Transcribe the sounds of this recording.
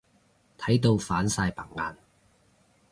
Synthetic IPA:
t̪ʰɐ˨˥jt̪o˧wfaː˨˥nsaː˧jpɐ̰˨˩ŋŋaː˧n

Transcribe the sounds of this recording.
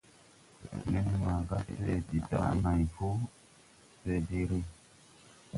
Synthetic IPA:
ni˦nma˨ɡa˦e˨di˨ta̰˦˨na˨jfu˦ | se˨di˦ɾi˦

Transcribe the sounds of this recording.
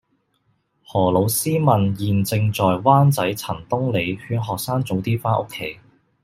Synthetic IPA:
hɔː˨˩lo˨˧wsiː˥mɐ˨njiː˨nt͡sɪ˧ŋt͡sɔː˨jwaː˥nt͡sɐ˨˥jt͡sʰɐ˨˩nt̪ʊ˥ŋle˨˧jhyː˧nɦɔː˨k̚saː˥ŋt͡so˨˥wt̪iː˥faː˥nʔo̰˥kʰːe˨˥j

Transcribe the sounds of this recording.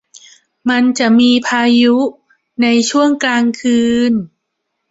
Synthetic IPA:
ma˧nt͡ɕa˨˩ʔmiː˧pʰaː˧ju˦˥ | na˧jt͡ɕʰu˥˩əŋklaː˧ŋkʰɯː˧n

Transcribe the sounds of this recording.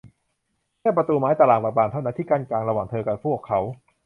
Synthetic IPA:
kʰɛː˥˩p̬ɾa˧t̪uː˧maː˦˥jt̪a˧laː˨˩ŋbaː˨˧˩baː˨˧˩t̪ʰa˥˩na˦˥nt̪ʰiː˥˩kaː˥˩nklaː˧ŋɾa˧waː˨˩ŋt̪ʰɤː˧ka˨˩pʰu˥˩əkʰːa˦˥w

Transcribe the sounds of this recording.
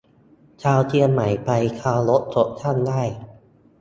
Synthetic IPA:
t͡ɕʰaː˧wt͡ɕi˧ənːa˩˦jpa˧jkʰaː˧wlo˦˥t̪̚sʰo˦˥p̚t͡ɕ̪ʰa˥˩ndaː˥˩j

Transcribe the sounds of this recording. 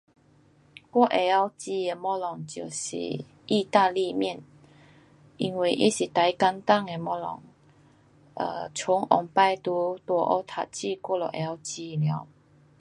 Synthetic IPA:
kwɔ˥˧ʔe˧a˧˦wt͡ɕi˧e˧mɔ˦˥lɔ˨˩ŋt͡ɕjo˨˩ɕḭ˨˩ | i˥˧t̪a˥˧li˥˧mjɛ˥˨n | i˧nwe˨˩ʔi˦ɕi˨˩t̪a˨˦jka˧˦nt̪a˥˨ŋe˧mɔ˧˦lɔ̰˨˩ŋ | ə̰˨˧˩t͡ɕʰʊ˨˧˦ŋʔɔ̰˨˩ŋpa˧˩jt̪u˧˦t̪wɔ˧˩ʔɔ̰˧˦t̪ʰa̰˨t̚t͡ɕi˥˧kwɔ˥˧˨lɔ˨˩ʔe˧˦a˧˦wt͡ɕi˧˨nja˨˧˦w

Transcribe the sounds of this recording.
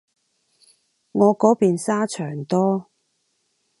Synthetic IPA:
ŋɔː˨˧kɔː˨˥piː˨nsaː˥t͡ʃʰœː˨˩ŋt̪ɔː˥

